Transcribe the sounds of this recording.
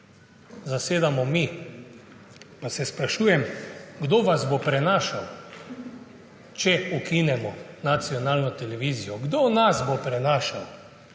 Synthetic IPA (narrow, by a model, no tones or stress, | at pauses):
zaseːd̪amɔmi | pasɛspɾaʃuːjɛmɡd̪oːʋazbopɾɛnaːʃaw | t͡ʃɛukinɛmɔnat̪siɔnaːlnɔt̪ɛlɛʋiːzijɔɡd̪oːnasbopɾɛnaːʃaw